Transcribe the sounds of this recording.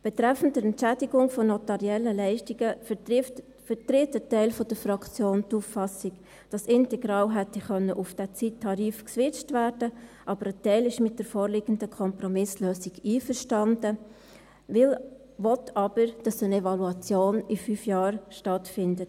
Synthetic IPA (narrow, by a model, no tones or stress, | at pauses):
b̥ɛtɾɛfəntəɛntt͡ʃædiɡʊŋfɔnɔtɑɾiɛlːəlɛɪʃtiɡə | fətɾɪtətɛɪlfɔd̥əɾfɾɑkt͡sjoːnt̪uːfːɑsiɡ | d̥ɑsɪntɛɡɾɑːlɦɛtɛχœnːəʔufd̥ɛt͡sitʰːɑɾiːfksʋɪt͡ʃtvæːɾd̥əʔɑbəɾətɛɪlɪʃmɪt̚d̥əɾfoːɾlɪɡ̥əndəkʰɔmpɾɔmɪsløːsiɡiːfəɾʃtɑndə | ʋɪl | ʋɔtʰɑb̥əɾd̥ɑsənɛvɑluɑt͡sjoːnɪfyfjɑːɾʃtɑtfɪndət